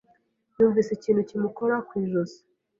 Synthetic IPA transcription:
juːɱviːsiciːn̤hucimukoɾakwiːʒozi̥

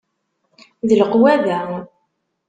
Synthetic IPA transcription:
ðəlqwæðæ

